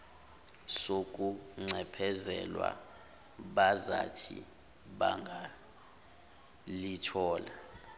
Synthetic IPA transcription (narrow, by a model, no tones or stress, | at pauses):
sokʼuŋ͡ǀʱɛpʰɛzɛlwa̰ | ɓazatʰḭ | ɓaŋɡʱa | litʰɔːla